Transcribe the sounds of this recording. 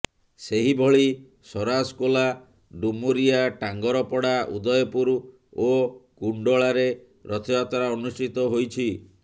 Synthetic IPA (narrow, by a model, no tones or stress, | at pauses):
seɦibʱɔɭi | sɔɾaskola | ɖumuɾiaʈaŋɡɔɾɔpɔɽaʔud̪ɔjɔpuɾ | okuɳɖɔɭaɾe | ɾɔt̪ʰɔjat̪ɔɾaɔnusʈʰit̪ɔɦojt͡ʃʰi